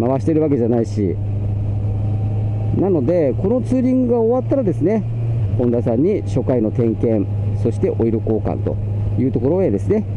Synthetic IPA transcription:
maβaɕi̥t̪e̞ɾɯ̟βake̞ʑanaiɕḭ | nano̞d̪e̞ko̞no̞t͡sɨːɾʲĩŋɡɯɡaoβat̪ːaɾad̪e̞sɨne̞ | bõ̞nd̪asãɲ̟ːiɕo̞kaino̞t̪ẽ̞ŋkẽ̞ɴ | so̞ɕi̥t̪e̞ʔo̞iɾɯ̟ko̞ːkã̰nt̪o̞̰ | jɯ̟ːt̪o̞ko̞ɾo̞e̞d̪e̞sɨne̞

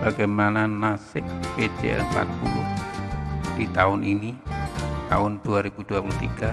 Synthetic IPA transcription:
b̥aɡajmananasɪk̚ped͡ʒḛəpa̰t̪̚pulʊ̰h | d̥it̪aʊnʔinit̪a̰ʊnduaɾibuduapulut̪iɡa

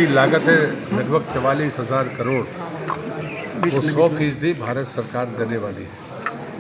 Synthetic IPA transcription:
ilaːɡət̪ɦɛləd̪bʱəb̚t͡ʃɐʋaːliːsɦɐzaːɾkɐɾoːɽ | ʋosɔːpʰiːs̬d̪ʱibʱaːɾət̪sɐɾkaːɾd̪eːneʋaːlḭɦɛː

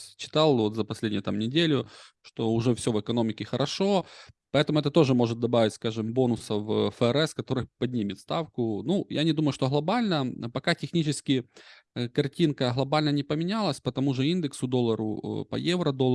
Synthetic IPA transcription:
t͡ɕːɪ̥t̪ɑlˠvo̞t̪zəpɐsʲlʲedʲɪjʊt̪amnʲɪdʲelʲʊ | ʂt̪o̞ʊʐɛfsʲɵvɨkɐno̞mʲɪkʲɪxəɾʔɐʂo̞pɐɛt̪əmʊɛt̪ət̪o̞ʐɨmo̞ʐɨt̪̚d̪ɐbavʲɪtʲskaʐɨmbo̞nʊsəvfəɛɾɛskɐt̪o̞ɾɨjpɐdʲnʲimʲɪt̪st̪afkʊnujanʲɪd̪uməjʊʂt̪oɦlˠɐbalʲnəpɐkatʲɪxnʲit͡ɕɪskʲɪ | kɐrtʲinkəɦlˠɐbalʲnənʲɪpəmʲɪnʲalˠəsʲpət̪ɐmuʐɨind̪ɨksʊd̪o̞lˠːəɾʊ̰pɐ̰jevɾəd̪olˠ

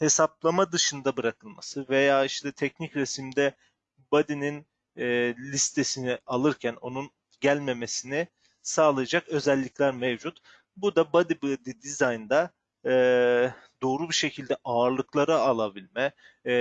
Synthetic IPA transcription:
he̞sap̚lˠamad̪ɯʃɯnd̪abɯɾakʰɯlˠma̰sɯve̞jaːiʃt̪ʰɛt̪ʰɛcnicɾesimd̪ɛ | bad̪ininː | lʲist̪ʰe̞sinɪalˠɯɾcʰæno̞nun | ɟælʲme̞me̞sinɪ | saːlˠajad͡ʒakø̞zɛlʲːicʲlʲæɾmevd͡ʒut̪ | bud̪abad̪ibɯd̪id̪izajnd̪a | d̪o̞ːɾubiʃe̞cʰilʲd̪ɛʔaːɾlˠɯklˠaɾaalˠabilʲmɛ

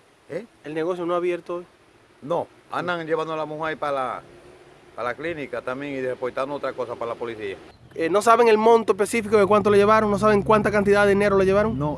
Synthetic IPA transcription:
eelneɣo̞sjonoaβje̞ɾt̪ooj | no | a̰nd̪aŋd͡ʒeβand̪olamũhajpala̰ | palaklinikat̪amjeŋiðeepojt̪and̪oot̪ɾakosapalapoliθia | eno̞s̬aβ̞eŋe̞lmõ̞nt̪oespesifikoðekwant̪̬oleʝe̞β̞aɾoŋno̞s̬aβeŋkwant̪akant̪̬iðaðine̞ɾoleʝeβaɾoŋno

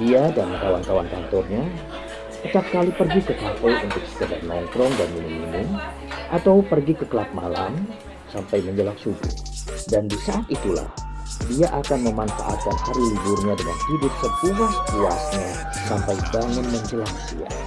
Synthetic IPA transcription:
diadant̪awant̪k̪awankant̪ɔrɲa | kət̪ak̚kalipərɡikəkafəlunt̪ʊk̚sə̥kədarnɔŋk̪ɾɔŋdanminuŋminʊŋ | ʔat̪awpərɡikəkəlat̪̚ma̰lam | sampajməɲd͡ʒəlaŋsubṵdandisaʔat̪it̪ula̰hdiaʔakanməmanfa̰ʔa̰t̪̚kanhaɾiliburɲadəŋa̰nhidʊp̚səpuahkua̰sɲa | sampajbaŋənməɲd͡ʒəlaŋdḭa̰

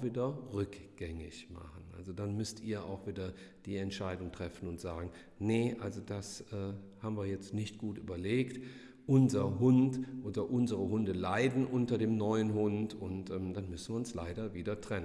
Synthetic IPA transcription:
viːdɐʁʏkɡ̥ɛŋɪçma̰χən̩ʔa̰lzodanmʏstiːɐa̰ʊxv̥iːdɐd̥iːɛntʃaɪdʊŋtʁ̥ɛfn̩ʊntz̥aːɡŋ̩ | nəʔalzod̥asʔɛːhaːbm̩viːɐjɛt͡stnɪçtɡ̥uːtʔy̰ːbɐleːkt | ʔʊnzɐɦʊntʔoːdɐʔʊnzəʁəɦʊndəlaɪdn̩ʔʊntɐdeːmnɔʏənɦʊntʊntʔɛːmd̥anmʏsn̩viːɐʊnslaɪdɐviːdɐtʁ̥ɛnə

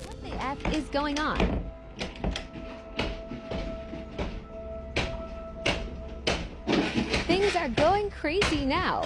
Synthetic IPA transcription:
wʌt̪̚ðiʔɛfɪzɡoʊɪ̃ŋə̃n | θɪ̃ŋzə˞ɡoʊɪ̃ŋkʰɹ̥eɪzinaʊ

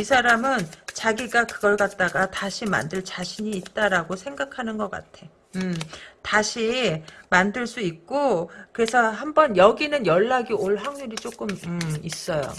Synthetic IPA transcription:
isʰaɾamɯnt͡ɕaɡiɡakɯɡʌɭk͈at̚t͈aɡataɕʰima̰ndɯɭt͡ɕaɕʰiɲiːt̚t͈aɾaɡosʰe̞ŋɡakʰanɯnɡʌk͈a̰tʰe̞ | ɯtaɕʰimandɯɭs͈uik̚k͈okɯɾe̞sʰʌɦambʌnjʌɡinɯnjʌɭːaɡioɭɦaŋɲuɾit͡ɕ͈ok͈ɯmɯis͈ʌjo̰

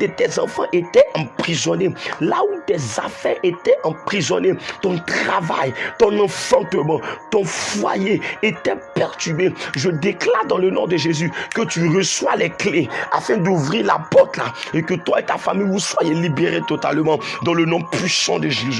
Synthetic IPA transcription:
d̪ət̪ɛzɑ̃fɑ̰̃ʔet̪ɛʔɑ̃pχizɔnelaut̪ɛzafɛʔet̪ɛʔɑ̃pχizɔnet̪ɔ̃t̪χava̰jt̪ɔ̃nɑ̃fɑ̃t̪əmɑ̃t̪ɔ̃fwa̰jeet̪ɛpɛʁt̪ybeʒəd̪eklaʁd̪ɑ̃lənɔ̰̃d̪əʒezykət̪yʁəswalɛkleafɛ̃d̪uvʁiʁla̰pɔʁt̪la̰ekət̪waet̪afamijuswajelibeʁet̪ot̪a̰lmɑ̃d̪ɑ̃lənɔ̃pɥisɑ̰̃d̪əʒezy

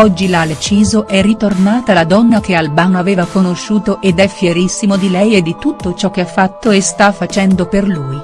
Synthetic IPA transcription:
ɔd͡ʒːilalet͡ʃiːzoʔɛrːit̪ornaːt̪alad̪ɔnːak̟ealbanoaveːvakonoʃːuːt̪oʔed̪ɛfːjeɾisːimod̪ilɛjed̪ːit̪ut̪ːot͡ʃɔk̟ːeafːat̪ːoest̪afːat͡ʃɛnd̪operluːj

